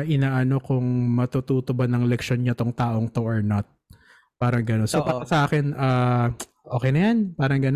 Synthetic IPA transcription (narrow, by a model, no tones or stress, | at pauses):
ʔɪnaːʔɐno̞kʊŋmɐt̪ut̪uːt̪obɐnɐŋlɛkʃo̞nɲɐt̪oŋt̪aːʔo̞ŋt̪o̞ʔoɹnɐt̪̚ | paːɾɐŋɡɐnonsoʔpaːɾɐsɐʔaːkɛnʔaː | ʔoːkɛjnɐjanpaːɾɐŋɡɐn